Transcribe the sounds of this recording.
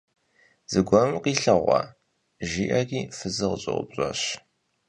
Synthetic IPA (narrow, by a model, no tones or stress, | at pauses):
z̥ɨɡʷɔmmqiːɬɐʁʷɑ̰ | ʒiːʔɐriːfɨzɨʁɕʼɪ̰ʁʷʊ̰bɕʼɐɕ